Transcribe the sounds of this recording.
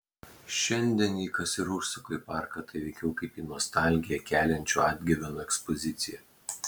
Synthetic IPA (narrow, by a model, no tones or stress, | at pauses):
ʃʲɛnʲd̪ʲɛniːkɐsʲɪɾʊsʲʊkɔɪpɑˑɾkɐt̪ɐɪʋʲɛɪkʲɛʊkɐɪpiːnɔɔst̪ɑˑlʲɡʲɪjɛkʲæːlʲɛnʲt͡ʃʲuːɑd̪ʲɡʲɪʋʲɛnoɛkspɔzʲɪt̪sʲɪjɛ